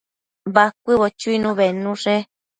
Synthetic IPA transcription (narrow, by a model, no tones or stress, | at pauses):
bakʷɨβot͡ʃuinũβenũʂe